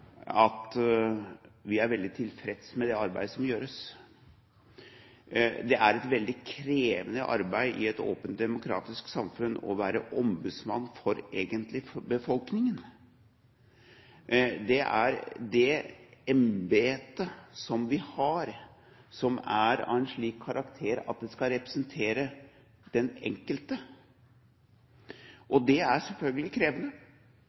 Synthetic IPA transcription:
ɑt̪ | ʋɪæɾʋɛld̪ɪt̪ʰɪlfɾɛd̪smɛd̪ɛɑɾbæ̰ɪd̪əsɔmjøːɾəs | d̪ɛʔæɾɛt̪ʋɛld̪ɪkʰɾeːʋənəʔɑ̰ɾbæɪʔɪɛt̪o̰ːpənt̪̚d̪ɛmʊkʰɾɑ̰ːt̪ɪsksɑmfʉnːɔ̰ʋæːɾəʔɔmbʉd̪smɑnːfɔɾeːɡənt̪lɪbəfɔlknɪŋən | d̪ɛʔæ̰ɾd̪ɛɛmbeːt̪əsɔmʋɪhɑɾ | sɔmæɾɑ̰ɛnʂɭiːkʰːɑɾɑkt̪ʰeːɾɑ̰t̪̚d̪ɛskɑɾɛpɾə̥sənt̪ʰeːɾə | d̪̥ɛnɛ̰ŋkəlt̪ə | ʔɔd̪ɛæsɛlfœlɡəlɪkʰɾeːʋənə

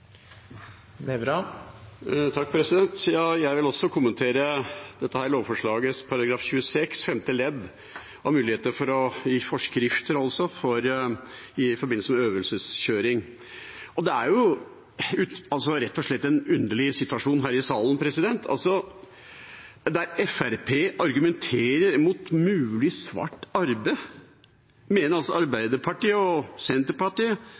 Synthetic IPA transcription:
ɛbɾɑ | t̪ʰɑk̚ːpʰɾɛsɪd̪ɛnt̪jɑːjæɪʋɪlɔsɔkʰʊmːənt̪ʰeːɾəd̪̥ɛt̪ːəhæːɾɭoːʋfɔʂɭɑːɡəspʰɑɾɑɡɾɑːfɕʉːəsɛksfɛmt̪əlɛd̪ | ɔmʉːlɪheːt̪əɾfɔɾɔjiːfɔʂkɾɪft̪ʰəɾɑlsɔfɔɾ | ɪfɔɾbɪn̩səmɛøːʋəlsəsçøːɾɪŋ | ʔɔd̪ɛæɾjʊ | ʉt̪ɑlsɔɾɛt̪ːɔʂɭɛt̪ːɛnʉnd̪əɭɪsɪt̪ʉʋɑʂuːnɦæːɾɪsɑːlnpʰɾɛsɪd̪ɛnt̪ʰɑ̰lsɔ | d̪æɾɛfæɾpʰeːʔɑɾɡʉmɛnt̪ʰeːɾəɾmʊt̪mʉːlɪsʋɑ̰ʈːɑɾbəɪ | meːnəɾɑlsɔɑɾbæɪd̪əpʰɑʈiːəɔsɛnt̪əɾpɑʈiːə

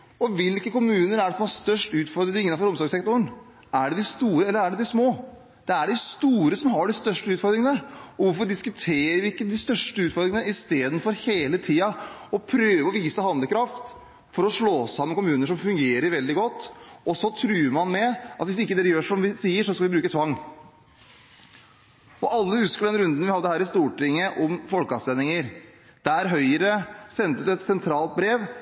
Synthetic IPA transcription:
ɔʋɪlkəkʊmʉːnəɾæɖɛsɔmhɑɾst̪œʂʈʉːt̪fɔɾd̪ɾɪɪŋːəɑfɔɾʊmsɑːɡsɛkt̪ʊəɳ | æɖɛd̪ɪst̪uːɾəɛlːəɾæɖɛd̪ɪsmoː | d̪̥ɛæɖɪst̪uːɾəsɔmɦɑɖɪst̪œʂʈəʉːt̪fɔɾd̪ɾɪŋənəɔʋʊɾfɔɖɪskʉt̪ʰeːɾəɾʋɪɪkːəd̪ɪst̪œʂʈəʉːt̪fɔɾd̪ɾɪŋənəɪst̪eːd̪ən̩fɔɾheːlət̪ʰiːɑɔpʰɾøːʋəɔʋiːsəhɑnd̪əkɾɑft̪ | fɔɾɔʂɭoːsɑmːənkʊmʉːnəʂɔmfʉŋɡeːɾəɾʋɛld̪ɪɡɔt̪ːɔsɔt̪ʰɾʉːɾmɑnmɛɑt̪ʋɪsɪkːəd̪ɛɾjøːʂɔmʋɪsiːəɾʂɔskɑlʋɪbɾʉːkət̪ʰʋɑŋː | ɔʔɑlːəhʉskəɖ̪ɛnɾʉnd̪ənʋɪhɑd̪ːəhæːɾɪst̪uːʈɪŋːəʔɔmfɔlkɑsɛnɪŋəɾ | d̪̥ææɾɦœʏəɾəsɛnt̪ət̪ɛt̪sɛnt̪ʰɾɑːlt̪̚bɾeːʋ

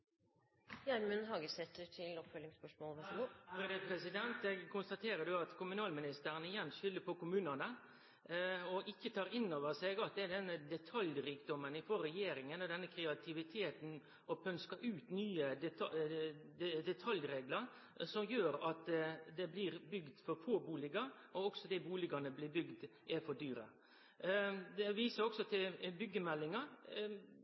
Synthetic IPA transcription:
jæɾmʉnɦɑːɡəsɛt̪ːəʈʰɪlɔpfœlɪŋspœʂmɔːlʋɛɡuɔɾɪd̪ɛpʰɾɛsɪd̪ɛnt̪ɛɡkʰʊnst̪ɑt̪ʰeːɾəd̪ʉɑt̪kʰʊmʉnɑːlmɪnɪst̪əɾənəɪjɛnːʂʏlːəpʰɔkʊmʉːnənə | ɔʔɪkːət̪ʰɑːɾɪnːoːʋəsɛɡɑt̪̚d̪ɛæɖɛnːəd̪ɛt̪ʰɑljɾiːkd̪ɔmənɪfoɾːɛjeːɾɪŋənɔd̪ɛnːəkʰɾɛɑt̪ʰɪʋɪt̪ʰeːt̪n̩ | ɔpʰœnskɑʔʉːt̪nyːəd̪ɛ | d̪ɛt̪ʰɑljɾeːɡləɾ | sɔmjøːɾɑt̪d̪ɛblɪɾbʏɡd̪fɔɾfoːbuːlɪɡɑɾ | ɔɔksɔd̪ɛbuːlɪɡɑnəblɪbʏɡd̪ʔɛɾfɔd̪yːɾə̰ | d̪ɛʋiːsəɾɔksɔt̪ʰɪlbʏɡːəmɛlːɪŋɑɾ

